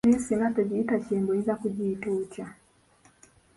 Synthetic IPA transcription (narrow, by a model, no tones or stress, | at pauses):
isinatɔd͡ʒiːtat͡ʃɛmbɔizakuʄiːtut͡ʃa